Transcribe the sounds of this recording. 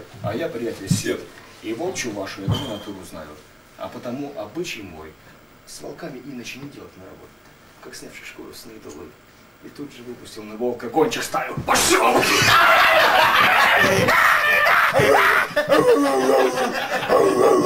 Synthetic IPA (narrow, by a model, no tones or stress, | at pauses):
ɐ̰japɾʲɪjatʲɪlʲsʲet̪ | ivolˠt͡ɕʊvaʂʊjad̪umnɐt̪uɾʊzna̰jʊ | ɐ̰pət̪ɐmuʔɐbɨt͡ɕɪjmo̞̰j | svɐ̰lˠkamʲɪʔinət͡ɕɪnʲɪdʲelˠətʲnərɐbo̞̰t̪ʲʊ̥ | kaksʲnʲafʂɨʂko̰lʲˠʊ̰sʲnʲit̪ʊlˠɨ̰ | it̪ud̪ʐɨvɨpʊsʲtʲɪlˠnɨvolˠkɐɡonʲt͡ɕɪkst̪avʲɪlˠpɐsʲom